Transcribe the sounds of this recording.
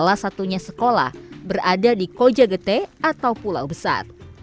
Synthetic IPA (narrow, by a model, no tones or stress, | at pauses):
lahsat̪uɲasəkola̰hbəradadikod͡ʒaɡət̪ɛat̪awpula̰wbəsa̰r